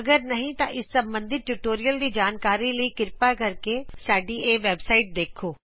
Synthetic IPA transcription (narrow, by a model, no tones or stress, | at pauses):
ɐɡəɾnɐɦĩt̪ãʔɪsːɐ̃mbə̃nd̪ʱɪt̪̚ʈuʈoːɾijəld̪id͡ʒaːnkaːɾilɐikɪɾpakɐɾkesaːɖieːʋeːbsaːɪʈ̚d̪eːkʰoː